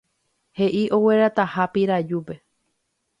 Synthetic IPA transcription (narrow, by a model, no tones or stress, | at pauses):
he̞ʔiʔo̞we̞ɾat̪ahapiɾad͡ʒupe̞